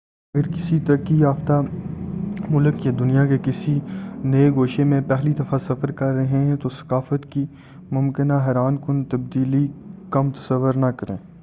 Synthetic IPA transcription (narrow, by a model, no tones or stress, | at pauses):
ɐɡəɾkɪsit̪ɐɾəkːijaːft̪a | mʊləkjad̪ʊnijakekɪsinɐeɡoːʃemẽpɛɦlid̪ɐfasɐfəɾkɐɾːɐɦẽɦɛ̃t̪osɐ̥kaːfət̪ki | mʊmkɪnaɦɛːɾaːnkʊnt̪ɐb̚d̪iːlikɐmt̪ɐ̥sɐʋːʊɾnakɐɾḛ̃ː